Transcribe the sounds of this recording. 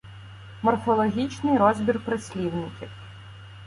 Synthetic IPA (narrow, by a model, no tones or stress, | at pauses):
mɔrfɔlˠɔɦʲit͡ʃnɪjɾɔzʲbʲirpɾɪsʲlʲiwnɪkʲiw